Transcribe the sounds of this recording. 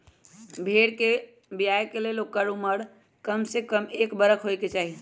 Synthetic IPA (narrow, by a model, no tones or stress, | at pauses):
bʱeɽke | bijajkelelokəɾuməɽ | kəmsekəmekbəɾəkʰɦojket͡ʃaːɦi